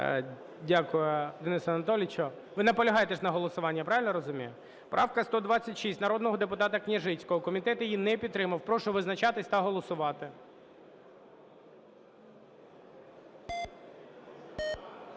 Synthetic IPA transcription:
dʲakʊjʊd̪enɪsɐnɐt̪ɔlʲɪt͡ʃɔ | ʋɪnɐpɔlʲɐɦɑjet̪eʃnɐɦɔlˠɔsʊʋɑnʲːɐpɾɑʋʲɪlʲnɔɾɔzʊmʲijʊ | pɾʔɑwkɐst̪ɔd̪ʋɑt͡sʲːɐtʲʃisʲtʲnɐɾɔd̪nɔɦɔd̪epʊt̪ɑt̪ɐknʲiʒɪt͡sʲkɔɦɔkɔmʲit̪ɛt̪ʊjinɛpʲid̪̚t̪ːɾɪmɐwpɾɔʃʊʋɪznɐt͡ʃɑt̪ɪsʲt̪ɐɦɔlˠɔsʊʋɑt̪ɪ

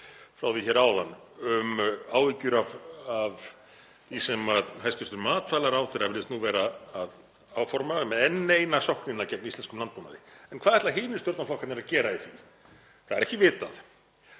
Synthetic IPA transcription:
fɾawðɪçɛːɾaːwðanː | ʏmaːwvicʏɾavav | θisɛmaðɦajst̪ʏ̥st̪ʏɾmaːt̪faːlaɾaːwθeɾavɪlɪst̪nuvɛːɾaːð | aːwfɔɾmaʏmðɛnːeːjnasɔhknɪnːacɛknaist̪ɛnskʏmlant̪̚puna̰ðɪɛnkʰvaːðhɛt̪laɦɪːnɪsjɔwɾt̪naflɔwkʰat̪nɛɾaðcɛːɾaiθi | θaðɛɾɛhcɪvɪːt̪aθ

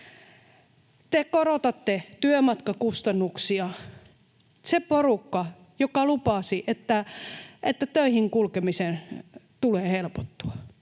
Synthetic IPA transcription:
t̪ekorot̪ɑt̪ːet̪yømɑt̪kɑkust̪ɑnːuksiɑ | seporukːɑ | jokɑlupɑsiʔet̪ːæʔet̪ːæt̪øihiŋkulkemisent̪uleːhelpot̪ːuɑ

